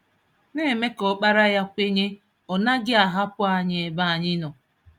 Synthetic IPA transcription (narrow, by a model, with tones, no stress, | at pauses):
ne˦˨me˦kɔ˨k͡pa˦ɾa˦ja˦kʷe˦ɲe˦ | ɔ˨na˦ɡɪ˦a˨ɦa˦pʊ˦a˨ɲɪ˨e˨ba˦˨a˨ɲɪ˦nɔ˨